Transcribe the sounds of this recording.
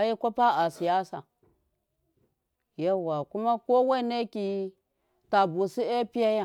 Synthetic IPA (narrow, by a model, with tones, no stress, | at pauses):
a˨ji˦kʷa˦pa˦a˨si˨ja˦sa̰˨ | ja˦wa˨ku˦ma˦ko˦we˦˨˦ne˦ki˨ | ta˨bu˨si˦e˦pi˦ja˦ja˦˨